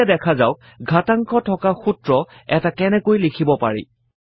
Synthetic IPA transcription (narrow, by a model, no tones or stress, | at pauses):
ɛdɛkʰazawk̚ | ɡʱataŋkʰɔtʰɔkaxutɹɔ | ɛtakɛnɛkojlikʰibɔpa̰ɹḭ